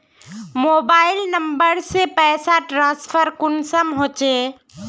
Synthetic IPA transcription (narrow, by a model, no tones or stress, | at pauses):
moːbaːɪlnəmbəɾsepɛːsaʈɾãːsfʰəɾkʊnsəmɦoːt͡ʃeː